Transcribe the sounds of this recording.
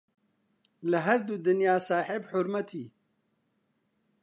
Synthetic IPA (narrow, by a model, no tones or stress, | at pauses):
lɐɦɐɾd̪uːd̪ɨnjaːsaːħɪbħʊɾmɐt̪ʰiː